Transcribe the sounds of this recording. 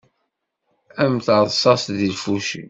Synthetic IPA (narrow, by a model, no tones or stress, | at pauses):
æmθəɾðˤsɑsðilfuʃḭ